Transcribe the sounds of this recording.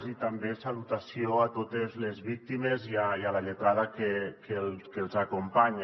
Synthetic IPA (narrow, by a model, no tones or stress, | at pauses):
zit̪ambesalut̪asioat̪ot̪ezlezβik̚t̪imeziaialaʎet̪ɾaðakekelkelˠzakumpaɲa